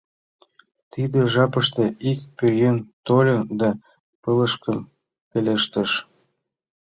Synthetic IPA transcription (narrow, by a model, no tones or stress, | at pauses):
t̪id̪eʒɑpəʃt̪eikpøjønt̪olʲənd̪ɑ | pələʃkəm | peleʃt̪ə̆ʃ